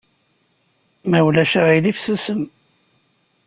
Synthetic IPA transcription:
mæwlæʃaʁilifsəsəm

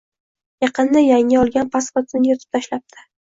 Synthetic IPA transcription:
jɑqʰɨnd̪ajaŋːɪɒlˠɡʲanpʰasχot̪ɪnɪjɒt̪ʰɪ̥p̚t̪ʰaʃlap̚t̪ʰɪ̥

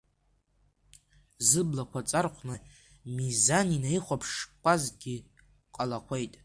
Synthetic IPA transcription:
zɨblakʷʰat͡sʼarχʷnɨ | mizaninaiχʷapʰʂkʷʰazɡʲi | qʼalaqʷʰejtʼ

